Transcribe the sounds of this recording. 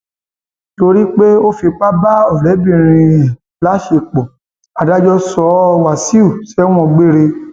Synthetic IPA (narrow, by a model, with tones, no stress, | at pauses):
to˧ɾi˦k͡pe˦o˦fi˧k͡pa˦ba˦ɔ˦˨lɛ˨˦bĩ˦˨˧ɾ̃ĩ˧ɛ˨ | la˨˦ʃe˧k͡pɔ˨ | a˨da˨˦d͡ʒɔ˦sɔ˨˦˧wa˨si˦u˦˨sɛ˦w̃ɔ̃˧ɡ͡be˦ɾe˧